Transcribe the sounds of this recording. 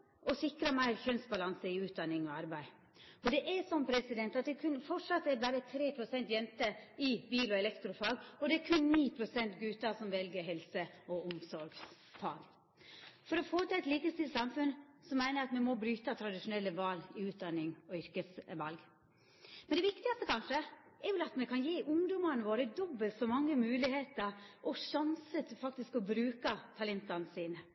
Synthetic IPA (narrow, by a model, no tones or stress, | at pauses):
ɔsɪkɾɑmæɪɾçœnsbɑlɑnsəɪʉːt̪̚d̪ɑnːɪŋɔɑɾbæɪ | ɔd̪ɛʔɛsɔmpʰɾɛsɪd̪ɛnt̪ɑt̪̚d̪ɛkʰʉnfɔʈʂɑt̪ːɛɾbæːɾət̪ʰɾeːpʰɾʊsɛnt̪jɛnt̪əɪbiːlɔɛlɛkt̪ɾʊfɑɡɔd̪ɛæɾkʰʉnniːpʰɾʊsɛnt̪ɡʉːt̪ɑsɔmʋɛlɡəɾɦɛlsəɔʊmsɔɾɡ | fɑ̰ːɡ | fɔɾɔfoːt̪ɪlæɪt̪liːkəst̪ɪlsɑmfʉnsɔmæɪnəɾɑt̪mɛmɔbɾyːt̪ɑt̪ʰɾɑd̪ɪʂʊnɛlːəʋɑːlɪʉːt̪̚d̪ɑnːɪŋɔʏɾkəsʋɑlɡ | mɛnd̪ɛʋɪkt̪ɪɑst̪əkʰɑnʂə | ɛɾjɛlɑt̪mɛkʰɑnjeːʔʊŋd̪ɔmɑnəʋoːɾəd̪ɔbːəlt̪sɔmɑŋːəmʉːlɪheːt̪əɾʔɔʂɑnsət̪ʰfɑk̚t̪ɪskɔbɾʉːkɑt̪ʰɑlɛnt̪ɑnəsiːnə